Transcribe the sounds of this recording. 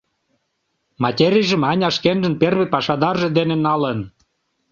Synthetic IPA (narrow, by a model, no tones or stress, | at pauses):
mɑtʲeɾʲijʒə̆mɑnʲɑʃkenʒə̆nperβepɑʃɑd̪ɑrʒĕd̪enenɑlən